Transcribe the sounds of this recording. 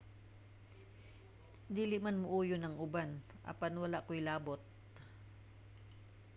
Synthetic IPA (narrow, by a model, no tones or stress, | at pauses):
d̪iːlɪʔmanmʊʔuːjonɐŋʊban | ʔɐ̰panwɐlaʔkojlaːbot̪̚